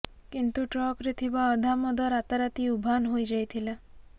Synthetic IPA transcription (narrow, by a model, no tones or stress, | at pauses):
kint̪uʈɾɔkɾit̪ʰibaɔd̪ʱamɔd̪ʱaɾat̪aɾat̪iubʱanɦojd͡ʒajt̪ʰila